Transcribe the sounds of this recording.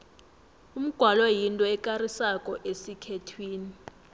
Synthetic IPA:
um̩ɡ̥ʱwalɔjintʼɔɛkʼarisakʼɔʔesikʰetʰwiːni

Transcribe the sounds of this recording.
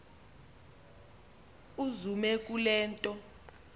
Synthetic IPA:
uzumɛk̬ʼulɛːntʼɔ

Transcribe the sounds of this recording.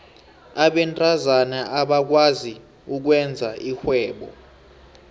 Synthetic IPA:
aɓɛntʼazanaʔaɓak̬wazi | uk̬wɛnd͡zʱaixwɛːɓɔ̰

